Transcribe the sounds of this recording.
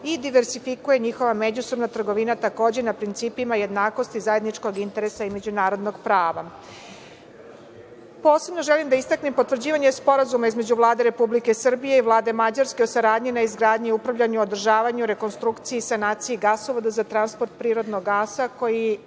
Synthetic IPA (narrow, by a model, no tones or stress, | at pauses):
id̪iʋeɾsifikuje̞ɲixo̞ʋame̞d͡ʑusobnat̪r̩ɡo̞ʋinat̪ako̞ːd͡ʑe̞napɾint̪siːpimaje̞d̪naːko̞st̪izaje̞d̪nit͡ʃko̞ɡint̪e̞ɾesaime̞d͡ʑunaːɾo̞d̪no̞ɡpɾaːʋa̰ | po̞ːse̞bno̞ʒelimd̪aist̪aknimpot̪vr̩d͡ʑiːʋaɲe̞spo̞ɾazumaizme̞d͡ʑuʋlˠaːd̪e̞ɾe̞publike̞sr̩bije̞iʋlˠaːd̪e̞mad͡ʑaɾske̞osaɾaːd̪ɲinaizɡɾaːd̪ɲiiupɾavʎʲaɲuod̪r̩ʒaːʋaɲuɾe̞ko̞nst̪ɾukt̪sijisanaːt̪sijiɡasoʋod̪azat̪ɾanspoɾt̪̚pɾiːɾo̞d̪noɡːaːsako̞ji